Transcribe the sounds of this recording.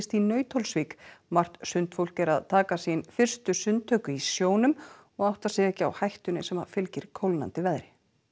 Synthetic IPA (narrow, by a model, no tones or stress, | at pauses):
st̪inœːɥt̪ʰolsviːkmar̥t̪sʏnt̪fowl̥kɛɾaðt̪ʰaːkasinfɪr̥st̪ʏsʏnt̪ʰːœːkʏisjoːwnʏm | ɔɣawht̪asɛːɛhcɪa̰whajht̪ʏnɪsɛmafɪlcɪɾ̥kʰowlna̰nt̪ɪvɛðɾɪ